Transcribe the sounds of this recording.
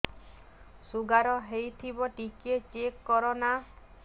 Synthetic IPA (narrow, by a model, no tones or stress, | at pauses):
suɡaɾɔɦejt̪ʰibɔʈiket͡ʃekːɔɾɔna